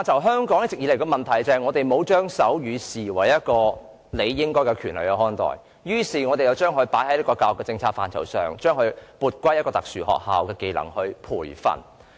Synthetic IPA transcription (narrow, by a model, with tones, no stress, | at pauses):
aː˨nt͡sʰɐ˨˩wɦœː˥ŋkɔː˨˥ŋjɐ˥t͡sɪ˨k̚jiː˨˧le˨˩kɔː˧mɐ˨˩nt̪ʰɐ˨˩jt͡sɐː˨ŋɔː˨˧t̪e˨jmo˨˧wt͡ʃœː˥ŋsɐ˨˥wjyː˨˧siː˨˩wɐ˨˩jjɐ˥t̚kɔː˧ | le˨˧jːɪ˥ŋkɔː˥jkɛ˧kʰyː˨˩nlɐ˨˩jɐ˧whɔː˥nt̪ɔ̰ː˨˩j | jyː˥siː˨ŋɔː˨˧e˨jɐ˨˧wt͡ʃœː˥ŋɦɵ˧ɥpaː˨˥jhɐ˨˥jlːkɔː˧kaː˧wʊ˨kːɛ˧t͡sɪ˧ŋt͡sʰaː˧t̚fa̰ː˨˩nt͡sʰɐ˨˩wsœː˨˩ŋt͡ʃœː˥ŋhɵ˧ɥpuː˧t̚kʷɐ˥jɐ˥kɔː˧t̪ɐ˨k̚syː˨˩hɔ̰ː˨k̚ha̰ː˨wkɛː˧ke˧jlɐ̰˨˩ŋhɵ˧ɥpʰuː˨˩jfɐ̰˨n